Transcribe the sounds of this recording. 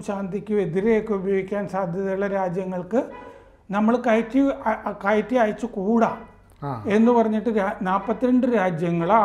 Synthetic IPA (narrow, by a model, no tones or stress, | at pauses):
ɕaːnd̪ikʲːɨe̞ðiɾekːɨubɐjo̞ːɡikʲːaːnsaːd̪ʱjɐðɐjuɭːɐɾaːd͡ʑjɐŋːɐɭkɨ | nɐmːɐɭkɐjtːikajtːiaːjt͡ɕːɨkuːɽa | e̞nːɨpɐrɐɲːiʈːɨɾanaːpːɐt̪ːiɾɐɳɖɨɾaːd͡ʑjɐŋːɐɭa